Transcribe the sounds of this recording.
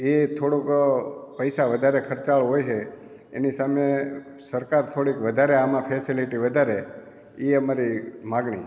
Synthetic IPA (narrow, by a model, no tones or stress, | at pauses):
et̪ʰoɽukpəjsaʋəd̪ʱaɾekʰəɾt͡ʃaɭɦojt͡ʃʰeː | nisame | səɾkaɾt̪ʰoɽikʋəd̪ʱaɾeamãpʰesiliʈiʋəd̪ʱaɾe | iəmaɾimaɡɳḭ